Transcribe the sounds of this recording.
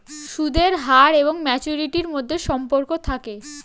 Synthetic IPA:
ʃud̪ʱeɾɦaɾeboŋmɛt͡ɕuɾiʈiɾmod̪ʱːeʃɔmpoɾkot̪ʰake

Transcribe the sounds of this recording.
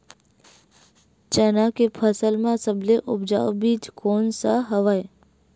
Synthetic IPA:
t͡ʃənãkepʰəsəlmãsəbleʔʊbd͡ʒa̰ːʋbiːd͡ʒkʰoːnsaɦəʋaj

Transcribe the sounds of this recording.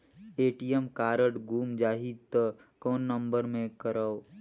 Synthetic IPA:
eːʈijəmkaːɾəʈɡʱuːmd͡ʒaːɦid̪t̪ə | kɔːnːəmbəɾmẽkəɾəw

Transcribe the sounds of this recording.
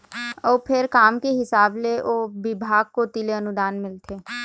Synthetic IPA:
ɔːpʰɪɾkaːmkeɦɪsaːbleʔoːʋɪbʱaːɡ̚kot̪ɪleənʊd̪aːnmɪlt̪ʰeː

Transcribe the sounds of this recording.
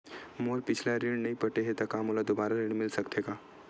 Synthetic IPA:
moːɾpɪt͡ʃʰlaɾiɽ̃nɐĩpəʈeɦet̪ɐkamolad̪obaːɾaɾɪɽ̃mɪlsɐkt̪ʰeːɡaː

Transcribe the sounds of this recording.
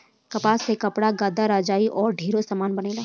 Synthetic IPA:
kɐpaːsekɐpɽaɡaːd̪aɾaːd͡ʒaːiʔɔːɾɖʱiːɾosaːmaːnbɐneːlaː

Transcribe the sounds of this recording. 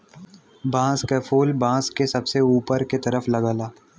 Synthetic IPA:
bãːskefʰoːlbãːskesɐbseuːpəɾket̪ɐɾəfʰlɐɡəːlaː

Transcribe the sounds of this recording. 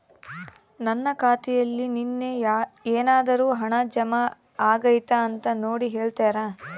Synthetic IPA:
nɐnːɐkaːt̪ijɐlːininːeeːnaːd̪ɐɾuːɦɐɳɐd͡ʒɐmɐ | aːɡɐjt̪ɐːnt̪ɐnoːɽiɦeːɭt̪aːɾaː

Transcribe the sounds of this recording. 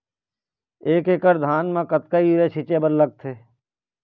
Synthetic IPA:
eːkeːkəɾd̪ʱaːnmãːkət̪kaiɾeːʃɪt͡ʃeːbəɾləɡ̚t̪ʰeː

